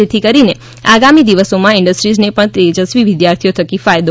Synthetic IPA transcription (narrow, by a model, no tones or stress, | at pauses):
et̪ʰikəɾine | aɡamid̪iʋəsomãɪɳɖəsʈɾid͡ʒnepəɳt̪ed͡ʒəsʋiʋɪd̪jaɾt̪ʰijot̪ʰəkifajd̪o